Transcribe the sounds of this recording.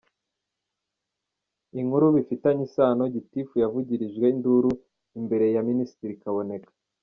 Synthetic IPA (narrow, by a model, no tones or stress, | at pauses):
iŋ̥huɾuβifitaɲisaːno̞ɟitifujavuɟiɾiʒɡwe̞induɾu | imbe̞ɾe̞jaminisi̥tiɾikaβo̞ne̞kḁ